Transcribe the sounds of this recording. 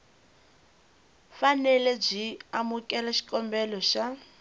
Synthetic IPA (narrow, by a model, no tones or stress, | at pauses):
fanɛlɛb͡ʐiamukʼɛlaʃi̥kʼɔmbɛlɔʃa